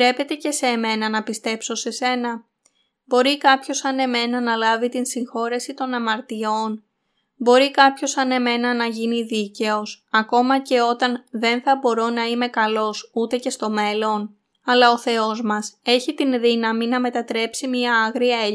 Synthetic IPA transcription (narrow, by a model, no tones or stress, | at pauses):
ɾe̞pe̞t̪e̞ce̞se̞me̞nɐnɐpist̪e̞pso̞se̞se̞nɐ | bo̞ɾikɐpço̞sɐne̞me̞nɐnɐlɐvit̪insiŋxo̞ɾesit̪o̞nɐmɐɾt̪io̞n | bo̞ɾikɐpço̞sɐne̞me̞nɐnɐʝiniðice̞o̞sɐko̞mɐce̞o̞t̪ɐnðe̞nθɐbo̞ɾonɐime̞kɐlo̞sut̪e̞ce̞st̪o̞me̞lo̞n | ɐlɐo̞θe̞o̞zmɐse̞çit̪inðinɐminɐme̞t̪ɐt̪ɾe̞psimiɐɐɣɾiɐe